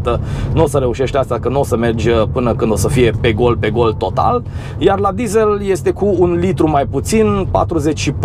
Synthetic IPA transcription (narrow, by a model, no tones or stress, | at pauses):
t̪ənuo̞səɾe̞uʃe̞ʃt̪ast̪akənuo̞səme̞rd͡ʒʲəpɨnəkɨnd̪o̞səfije̞pe̞ɡo̞lpe̞ɡo̞lt̪o̞t̪a̰l | jarlad̪ize̞lje̞st̪e̞kuːnlit̪ɾumajput̪sinpa̰t̪ɾuze̞t͡ʃʲʃip